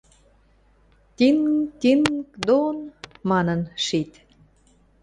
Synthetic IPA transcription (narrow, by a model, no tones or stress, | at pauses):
t̪ʲint̪ʲinkd̪onmɑnə̆nʃit̪